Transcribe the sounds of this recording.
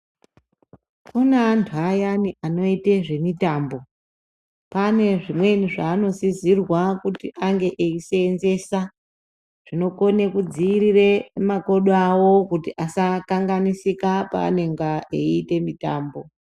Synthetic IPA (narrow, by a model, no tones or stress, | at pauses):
kunantʰuajaniʔano̞iteʐe̞mitaːmbo̞ | pane̞ʐimwe̞niʐaːno̞zizirwakutiʔaŋɡe̞ʔeiseːnze̞sa | ʐ̥ino̞ko̞ne̞kud͡ziːriremako̞ɗoawo̞kutiʔasakaŋɡanisikapa̰ːneŋɡaeite̞mitaːmbo